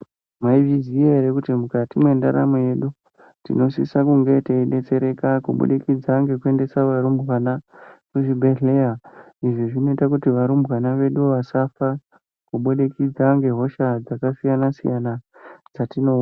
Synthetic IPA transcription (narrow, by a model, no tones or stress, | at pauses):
mwaivizieeɾekutimukatimwe̞ndaɾa̰moje̞ɗu | tḭno̞sisakuŋɡe̞taiɗe̞t͡se̞ɾe̞kakṵɓṵɗekid͡zaŋɡe̞kue̞nde̞saʋaɾumbwanakuʐibʱe̞ɮe̞a | iʐiʐino̞itakutiʋaɾumbwanaʋe̞ɗuʋasafa | kuɓoɗe̞kid͡zaŋɡe̞ɦo̞ʃad͡zakasijanasḭjanad͡zatino̞